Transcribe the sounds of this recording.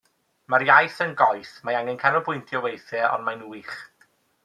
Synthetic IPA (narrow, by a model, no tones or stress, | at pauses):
maɾjajθənɡɔjθmaaŋɛnkʰanɔbʊjntʰjɔwejθɛʔɔ̰nmajnuiχ